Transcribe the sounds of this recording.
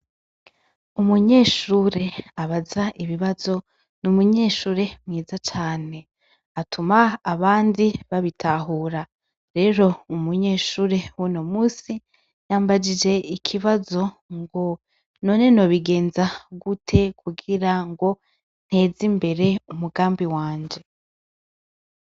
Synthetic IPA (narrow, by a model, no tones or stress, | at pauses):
umuɲe̞ːʃuːɾe̞aβazaʔiβiβazo̞ | numuɲe̞ːʃuːɾe̞mŋiːzat͡ʃaːne̞ | atʰumaːβaːndiβaβitʰaɦuːɾa | ɾe̞ːɾo̞umuɲeːʃuːɾe̞wuno̞muːsi | jaːmbad͡ʒid͡ʒe̞ikʰiβazo̞ | ŋɡo̞ | no̞ːne̞no̞βiɡe̞ːnzaɡutʰe̞kʰuɡiɾaŋɡo̞ | n̥he̞ːzimbe̞ɾe̞umuɡaːmbiwaːɲd͡ʒe̞